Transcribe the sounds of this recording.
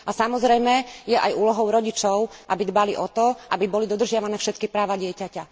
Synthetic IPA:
asamɔzɾɛjmɛjɛʔajuːlɔɦɔʊɾɔɟit͡ʃɔʊʔabid̪baliʔɔt̪ɔʔa̰bibɔlid̪ɔd̪rʒɪaʋanɛːfʃɛt̪kipɾaːʋaɟɪɛcaca

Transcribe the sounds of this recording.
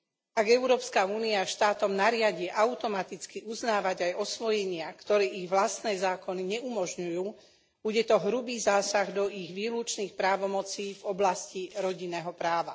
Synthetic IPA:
aɡɛʊɾɔːpskauːniaʃt̪aːt̪ɔmnaɾɪaɟiʔaʊt̪ɔmat̪it͡skiʔuznaːʋaɟajɔsʋɔjɛɲɪakt̪ɔɾɛːʔiɣʋlast̪nɛːzaːkɔniɲɛumɔʒɲujuː | b̥uɟɛt̪ɔɦɾubiːzaːsaɣd̪ɔʔiɣʋiːluːt͡ʃniːxpɾaːʋɔmɔt͡siːvɔblasciɾɔɟinːɛːɦɔpɾaːʋa

